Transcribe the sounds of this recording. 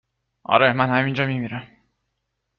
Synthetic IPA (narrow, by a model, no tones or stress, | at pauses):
ɒ̰ɾemænhæmind͡ʒɒmimiɾæm